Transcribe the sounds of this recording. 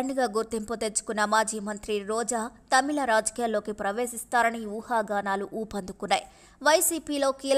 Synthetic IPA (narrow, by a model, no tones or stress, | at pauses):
ɐɳɖiɡaːɡuɾt̪imput̪e̞t͡ʃːu̥kunːɐmaːd͡ʒiːmɐnt̪ɾiɾɔːd͡ʒaːt̪ɐmilɐɾaːd͡ʒɐ̥kijaːlːo̞ːkipɾɐʋe̞ːsist̪aːɾɐniuːhaːɡaːnaːluʔuːpɐnd̪ʱukunːa̰ːji | ʋɐjsiːpiːlo̞ːkiːl